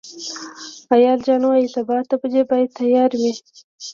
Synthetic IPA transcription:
ajɑld͡ʒɑnwɑjisabɑːt̪ːapəd͡ʒebɑjad̪̚t̪ːajɑɾwi

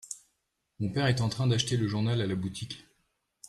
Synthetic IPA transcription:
mɔ̃pɛʁɛt̪ɑ̃t̪χɛ̃d̪aʃt̪eləʒuʁnalalabut̪ʰik

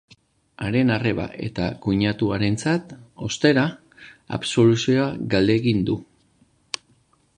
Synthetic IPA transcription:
aɾe̞nare̞βa̰ʔe̞̰t̪akuɲat̪uaɾe̞nt͡sat̪o̞st̪e̞ɾa | a̰bso̞lusioaɡald̪e̞ːɣind̪u

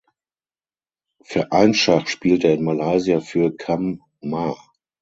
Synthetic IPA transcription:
fyːɐʔaɪnʃaχtʃpiːlteːɐɪnmalaɪziafyːɐkʰamː | a

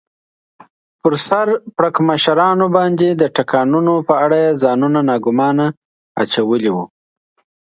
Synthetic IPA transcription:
pəɾsaɾpɽakmaʃaɾɑnobɑnd̪ed̪əʈakʰɑnunopəaɽajezɑnunanɑɡʊmɑna | a̰t͡ʃawəliwu

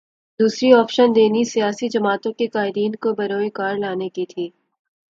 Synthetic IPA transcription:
d̪uːsɾiɔːpʃənd̪eːnisijaːsid͡ʒɐmaːt̪õkekaːɪɾiːnkobɐɾoːekaːɾlaːnekit̪ʰiː

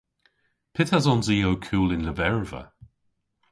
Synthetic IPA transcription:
pʰɪtazɔnziːowkʰuːlɪnləvɛɹvə̰

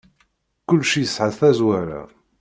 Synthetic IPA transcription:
kʊlːʃijəsʕəðθæzwæɾa̰

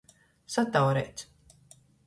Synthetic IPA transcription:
sat̪awɾɛ̰jt̪

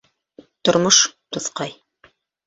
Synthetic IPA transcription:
t̪ŏɾmoʃt̪ŏθqɑj

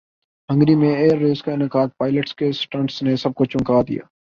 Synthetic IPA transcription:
ɦə̃ŋɡɾimẽeːəɾːeːskaɪnəkaːd̪̚paːɪləʈskesʈə̃ɳʈsnesɐb̚kot͡ʃʊ̃ŋkaːd̪ɪ̰ja̰ː

